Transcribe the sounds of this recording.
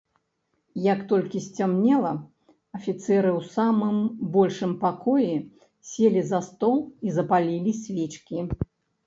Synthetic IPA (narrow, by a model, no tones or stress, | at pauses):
jɐkt̪ɔlʲkʲisʲt͡sʲamnʲɛlˠɐ | ɐfʲit̪sɛɾɨwsamɨmbɔlʲʂɨmpakɔjɛ | sʲelʲizɐst̪ɔlˠizɐpalʲilʲisʲvʲɛt͡ʃkʲi